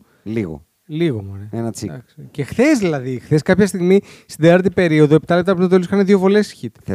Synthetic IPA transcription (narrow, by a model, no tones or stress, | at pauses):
liɣo̰ | liɣomoɾeenɐt͡sid̪ɐ̰kscexθezðilɐðixθe̞skɐpçɐst̪iɣmi | st̪id̪iɐɾt̪ipe̞ɾio̞ðoe̞pi̥t̪ɐle̞p̚t̪ɐpɾut̪ɐt̪olisxɐneðjovo̞le̞sçit̪e̥